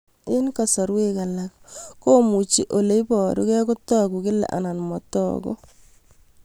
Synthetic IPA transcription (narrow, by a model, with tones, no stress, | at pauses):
ɪ˦nka˨sɔ˨ɾwe˦ka˨lakko˦mu˨t͡ʃi˦ʔo˨le˦ibɔ˨ɾo˦kɛ˦ko˦tɔ˦ku˨ki˦lɛ̰˨ʔa̰˨na˨nmɔtɔ̰˦ko̰˦